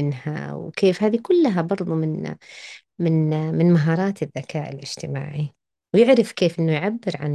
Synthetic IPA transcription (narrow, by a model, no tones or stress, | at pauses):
ɪnha̰wkʰeːfhaːðikʊlːɦabɑɾˤðˤumɪn | mɪnmɪnmaɦɑːɾˤɑːt̪ɪðːakʰaːʔɪ̰lʔɪd͡ʒ̥t̪ɪma̰ːʕi | wjɪʕɾɪfkeːfʔɪnːʊjʕabːɪɾʕa̰n